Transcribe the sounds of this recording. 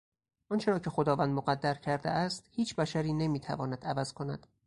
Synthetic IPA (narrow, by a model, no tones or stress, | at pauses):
ʔɒnt͡ʃʰe̞ɾɒːcʰe̞xo̞d̪ɒːvænd̪moɣæd̪ːæɾcʰæɾd̪eʔæst̪hiːt͡ʃʰbæʃæɾiːne̞miːt̪ʰæ̰vɒːnæd̪ævæz̥kʰo̞næ̰d̪̥